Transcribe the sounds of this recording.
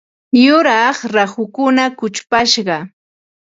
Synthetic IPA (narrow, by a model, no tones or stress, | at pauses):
jʊɾɑχɾahʊkʊnakʊt͡ʃpaʃɢɑ